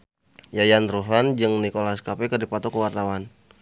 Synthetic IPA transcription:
jajanruɦland͡ʒɨŋnikolaskapɛkərdipat̪ɔkəwart̪awan

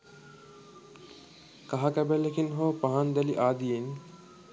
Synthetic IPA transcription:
kaɦakæbɛlekinɦoːpaɦand̪ɛliʔaːd̪ijen

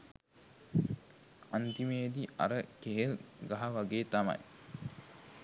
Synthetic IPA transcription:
ant̪imeːd̪iɐ̰ɾəkeɦelɡaɦaʋaɡeːt̪amɐ̰j

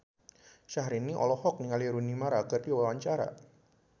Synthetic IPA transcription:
ʃaɦɾiniʔɔ̰lɔhɔk̚niŋaliɾunimaɾaɡardiwawaɲt͡ʃaɾa̰

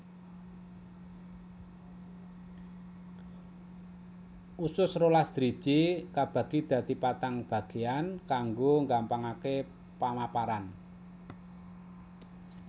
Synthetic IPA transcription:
ʔusʊsrolasd̪̥ɾid̥ʒ̥ikab̥ä̤ɡ̥id̪̥ä̤t̪ipat̪aŋb̥ä̤ɡ̥e̤ankaŋɡoŋɡampaŋake | pamapaɾan

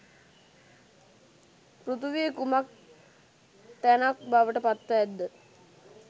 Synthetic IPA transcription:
prut̪uʋijəkumak̚ | t̪ænak̚baʋəʈəpat̪ːʋəæd̪ːə

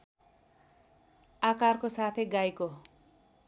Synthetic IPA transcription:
akarkosat̪ʰeɡajko

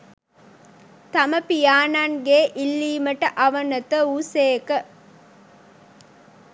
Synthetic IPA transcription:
t̪ɐməpijaːnanɡeʔilːiːmɐʈɐʔɐʋɐnɐt̪əuːseːkə

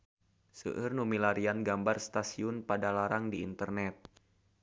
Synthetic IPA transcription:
sə̰ʔərnumilaɾianɡambarst̪asiʊnpadalaɾaŋdiːnt̪ərnɛt̪̚

